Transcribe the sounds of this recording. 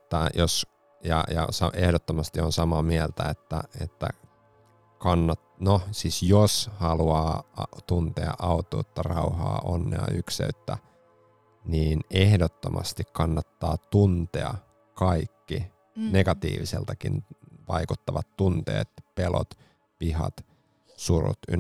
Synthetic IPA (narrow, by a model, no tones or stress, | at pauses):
et̪ːæjos | jɑ̰jɑ̰sɑʔehdot̪ːomɑst̪ionsɑmɑmielt̪æet̪ːæ̰et̪ːæ | kɑnːɑtnosiːsjoshɑluɑːɑt̪unt̪eɑ̰ʔɑut̪ˑṵːt̪ːɑrɑuhɑ̰ːʔonːeɑ̰yksḛyt̪ːæ | niːnehdot̪ːomʔɑ̰st̪ikkɑnːɑt̪ːɑːt̪unt̪eɑ | kɑikːi | neɡ̥ɑt̪ḭːʋiselt̪ɑkinʋɑikut̪ːɑʋɑt̪tunt̪ḛːt̪pelo̰t̪ | pihɑ̰t̪ | surṵt̪y